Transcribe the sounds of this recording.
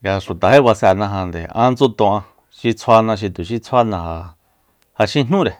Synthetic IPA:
ɡa˧ʂu˨t̪a˨ɦe˦βa˧sa˧˨nã˧ɦã˧nd̪ḛ˨ã̰˦˧nt͡so˦t̪õ˧ã˧ | ʃi˧t͡sʰwa˧nã˧ʃ̬i˧t̪u˨ʃi˦t͡sʰa˦nã˧ha˧ | ha˧ʃĩ˦n̥ũ˦ɾe˨

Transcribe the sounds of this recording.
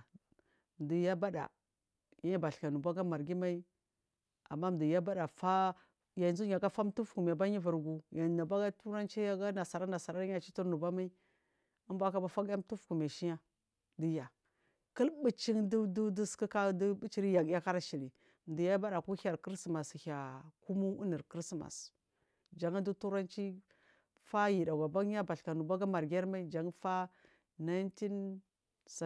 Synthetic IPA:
m˨di˨ja˦ba˦da̰˨ | ja˦a˦ba˨ɬka˨nu˨ba˦ɡa˦ma˨ɾɡi˦ma˦i˦ | a̰˨mːa˦m˨di˨ja˦ba˦da˨fa˦ | ja˨nzu˦a˨ɡa˦fa˦m˦tu˦fku˨m˨a˨ba˦ɲi˦vu˨ɾɡu˨ja˨na˨ba˦ɡa˦tu˦ɾa˦nt͡ʃe˦ja˦ɡa˦na˨sa˨ɾa˦na˨sa˨ɾa˦a˨t͡ʃi˦tu˦ɾnu˨ba˦ma˦i˦ | a˦mbʷa˦ka˦ba˦fa˦ɡa˦m˦tu˦fku˨m˨a˨ʃi˦ja˦ | di˦ja˨ | kə˦lbi˨t͡ʃi˦ŋdu˦du˦du˦ski˦ka˦du˦bi˦t͡ʃi˦ɾi˦ja˨ɡja˦ka˦ɾa˦ʃi˨li˨ | m˨di˨ja˦ba˦ɗa˨ku˦ha˨ɾki˦ɾsma˨si˨ha˨ku˦mu˦ṵ˦ni˨ɾkɾi˦sma̰˨s | d͡ʒa˨ŋa˦du˦tu˦ɾa˦nt͡ʃi˦ | fa˦ji˨da˨ɡa˨ba˦ɡja˦ba˨ɬka˨nu˨ba˦ɡa˦ma˨ɾɡʲe˦ɾma˦i˦d͡ʒa˨ŋ˦fa˦ | na˦nti˦n | sa˨

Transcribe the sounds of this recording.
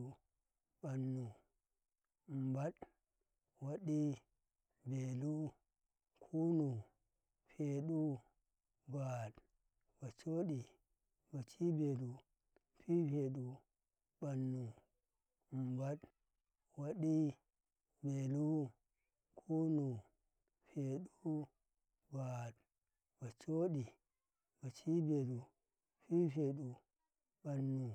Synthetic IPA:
ɓa˨nːu˨ | mba˦ɗ | wa˨ɗi˦ | be˨lu˦ | kʰu˦nu˨ | pʰe˨ɗu˦ | ba˨ɗ | b̥a˨t͡ʃo˦ɗi˨ | ba˨t͡ʃi˦be˨du˨ | pi˦pe˨ɗu˨ | ɓa˨nːu˨ | mba˦ɗ | wa˨ɗi˦ | be˨lu˦ | kʰu˦nu˨ | fe˨ɗu˦ | ba˨t | ba˨t͡ʃo˦ɗi˨ | ba˨t͡ʃi˦be˨lu˨ | ɸi˦fe˨ɗu˨ | ba˨nːu˨

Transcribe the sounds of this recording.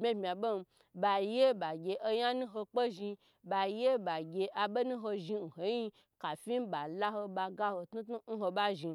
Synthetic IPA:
bmʲe˦bmʲa˨bo˦m˧ | ba˧je˦ba˨ɡʲe˧ʔo˦ja˦nũ˦ɦo˧k͡pe˦ʒi˧ | ba˧je˦ba˨ɡʲe˧ʔa˧be˦nũ˦ɦo˧ʒi˧n̩˨ho˨˦ji˦˧ | ka˨fʲi˦m˦ba˨la˦ho˧ba˧ɡa˦ho˧tnu˦tu˦n̩˦ɦo˧ba˦ʒi˧

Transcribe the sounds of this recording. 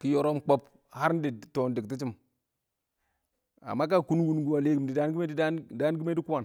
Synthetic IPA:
ki˦jo˦ɾo˦mk͡po˦p | ha˦ɾn˦di˨to˨n˨di˨kti˦t͡ʃi˦m | a̰˨mːa˦k̬a˦˨ku˦n˦ɡu˦n˦ɡu˨wa˨le˦ɡi˨m˨di˨da˨˦n˦ɡme˦di˦a˦da˦n˦ɡi˦me˦di˦ku˦ma˨n

